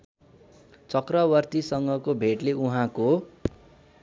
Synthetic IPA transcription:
t͡sʌkrʌbʌrt̪isʌŋɡʌkobʱeʈleuɦãko

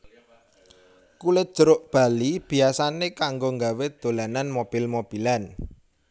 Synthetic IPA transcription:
kulɪt̪̚d̥ʒ̥əɾʊʔb̥a̤lib̥i̤asanekaŋɡoŋɡawed̪̥o̤lananmob̥i̤lmob̥i̤lan

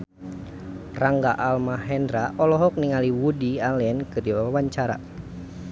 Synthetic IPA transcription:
raŋɡaʔalmaɦɛndɾaʔɔlɔɦɔk̚niŋaliwudialɛnkɨrdiwawaɲt͡ʃaɾa̰

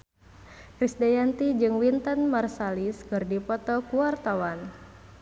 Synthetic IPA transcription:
kɾisdajant̪id͡ʒɨŋwint̪ənmarsaliskɨrdipɔt̪ɔkuwart̪awan

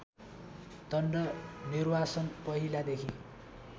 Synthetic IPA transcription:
t̪ʌnɖʌnirbasʌnpʌɦilad̪ekʰi

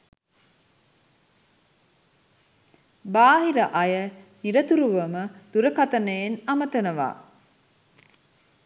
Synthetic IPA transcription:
baːɦiɾəʔajəniɾət̪uɾuʋəməd̪̥uɾəkat̪ənəjenamət̪ənəʋa̰ː

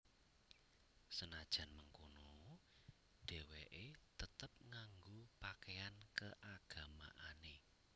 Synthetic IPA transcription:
sənad̥ʒ̥ä̤nməŋkono | ɖ̥ɛ̤weʔet̪ət̪əp̚ŋaŋɡopakeankəʔaɡ̥ä̤ma̰ʔane

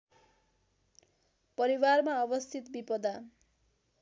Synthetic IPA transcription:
pʌɾiwarmaʌbʌst̪ʰit̪bipʌd̪a

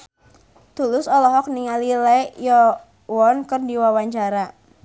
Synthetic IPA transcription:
t̪ulʊsɔlɔɦɔk̚niŋalilɛjɔ | wɔnkərdiwawaɲt͡ʃaɾa

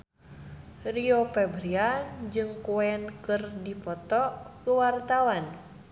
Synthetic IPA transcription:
riopɛbɾiad͡ʒɨŋkuɛnkɨrdipɔt̪ɔkəwart̪awan

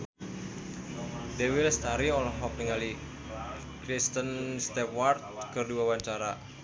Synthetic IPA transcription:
dewilst̪aɾiɔlɔɦɔk̚niŋali | kɾist̪ənst̪ɛpwart̪̚kərdiwawaɲt͡ʃaɾa

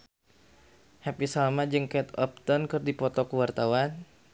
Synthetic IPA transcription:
hɛpisalmad͡ʒɨŋkɛt̪ɔ̰p̚t̪ɔnkɨrdipɔt̪ɔkuwart̪awan

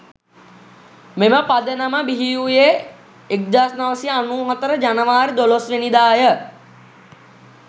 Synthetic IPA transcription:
meməpad̪ənəməbiɦiːuje | ek̚d̪aːsnaʋəsijəanuːɦat̪əɾəd͡ʒanəʋaːɾid̪olosʋenid̪aːjə

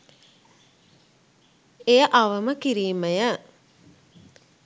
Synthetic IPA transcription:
ejəʔaʋəməkiɾiːməjə

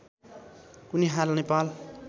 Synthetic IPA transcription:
kuniɦalnepal

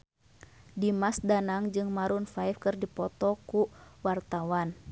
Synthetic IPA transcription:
dimasdanaŋd͡ʒɨŋmaɾunfajfkɨrdipɔt̪ɔkuwart̪awan

